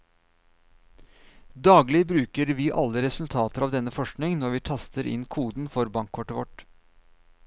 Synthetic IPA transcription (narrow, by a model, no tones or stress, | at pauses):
d̪ɑːɡlɪbɾʉːkəɾʋiːʔɑ̰lːəɾɛsʉlt̪ʰɑːt̪əɾɑːʋd̪ɛnːəfɔʂknɪŋnɔɾʋiːt̪ʰɑst̪əɾʔɪ̰nkʰuːd̪n̩fɔɾbɑŋkʰːɔʈəʋɔ̰ʈ